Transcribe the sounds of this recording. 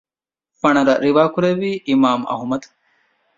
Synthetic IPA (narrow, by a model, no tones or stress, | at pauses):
fɐɳɐɾɐɾiʋaːkuɾeʋiːʔimaːmɐ̰ɦumɐd̪